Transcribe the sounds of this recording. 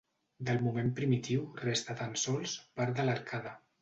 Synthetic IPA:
d̪əlˠmumempɾimit̪iwrest̪at̪ansɔlˠspaɾd̪əlaɾkʰaðə

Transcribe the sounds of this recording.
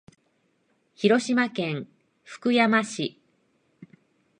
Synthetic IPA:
çiɾo̞ɕimakẽ̞ŋ̃ | ɸɯ̥kɯ̟jamaɕi

